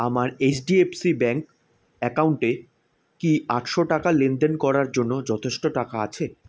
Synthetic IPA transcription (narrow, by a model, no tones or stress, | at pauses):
amaɾet͡ɕʰɖiepsibɛŋk | ɛkawɳʈe | kiaʈʃoʈakalend̪enkɔɾaɾd͡ʑonːod͡ʑɔt̪ʰeʃʈoʈakaat͡ɕʰe